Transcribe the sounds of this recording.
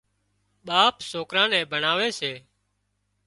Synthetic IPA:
ɓaːpsoːkɾãːnɛ̃ːbʱəɳaːʋeːseː

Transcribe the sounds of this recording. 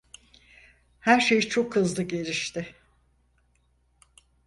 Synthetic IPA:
hæɾʃe̞jt͡ʃʰo̞khɯzlˠɯɟe̞ɾiʃt̪ʰɪ

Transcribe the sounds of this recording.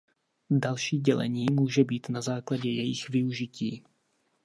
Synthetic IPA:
dalʃiːɟɛlɛ̰ɲiːmuːʒɛbiːt̪nazaːklaɟɛjɛjɪxvɪuʒɪciː

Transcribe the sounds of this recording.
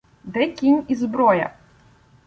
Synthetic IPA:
d̪ɛkʲinʲizbɾɔjɐ̰

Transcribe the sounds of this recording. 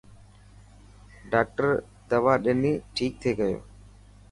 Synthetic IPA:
ɖaːk̚ʈəɾ | d̪əʋaːɗɪniːʈʰiːk̚t̪ʰeːɡəjo̰ː

